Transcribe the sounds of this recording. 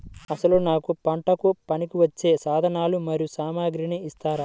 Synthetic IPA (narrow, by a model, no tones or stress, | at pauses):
ɐsɐlunaːkupɐɳʈɐkupɐnikiʋɐt͡ʃːe̞ːsaːd̪ʱɐnaːlumɐɾijusaːmaːɡɾiniist̪aːɾɐ